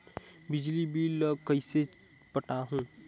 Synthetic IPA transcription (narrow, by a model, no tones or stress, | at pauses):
bɪd͡ʒlibʱiːləɡkəise | pəʈaɦũː